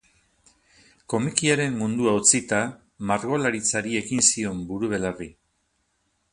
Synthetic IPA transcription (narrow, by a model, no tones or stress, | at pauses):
ko̞mikiaɾe̞mmund̪uawt͡sit̪a | maɾɣo̞laɾit͡saɾie̞ɣinsio̞mbuɾuβe̞lari